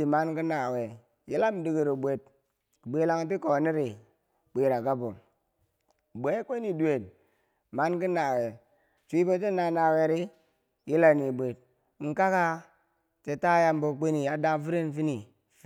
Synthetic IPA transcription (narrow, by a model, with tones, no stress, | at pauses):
i˨ma˦nki˦na˨we˨ | ji˦la˦m˨˦di˨ɡi˨ɾo˨bʷe˨t̚ | ɡ͡be˨˦la˦ŋ˦t̬i˦ko˨ni˦ɾi˨ | k͡pʷe˨ɾa˨ɡa˦bo˨ | bʷe˨˦kʷe˦ni˨du˨e˨n | ma˦nki˦na˨we˨ | t͡ʃʷi˦bo˦t͡ʃe˦na˨na˨we˨ɾi˦ | ji˦la˦ni˨bʷe˨d̚ | ŋ̩˦ka˦ka˦ | te˨ta˦ja˦m˦bo˨k͡pe˦ni˨ja˨da˦fi˦ɾe˦n˨fi˦ni˨˦